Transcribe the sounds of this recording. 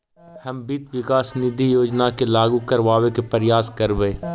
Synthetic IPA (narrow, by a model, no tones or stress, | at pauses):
hɐmbit̪ʋɪkaːsnɪd̪ʱijoːd͡ʒnakelaːɡukɐɾʋaːʋekepɐɾɪjaːskɐɾʋeː